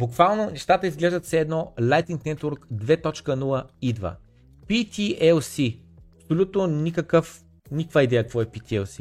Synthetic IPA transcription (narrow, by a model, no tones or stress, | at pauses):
bukvalˠnonɛʃt̪at̪əizɡlɛʒd̪ət̪sɛːd̪nɔlʲˠajt̪iŋknɛt̪oɾkd̪vɛt̪ɔt͡ʃkənulˠəid̪və̰ | pit̪ʲiʔɛlˠsi | ɐpsolʲut̪nonʲikəkəf | nʲikvaid̪ɛjəkəkvɔɛpit̪ʲiɛlˠsi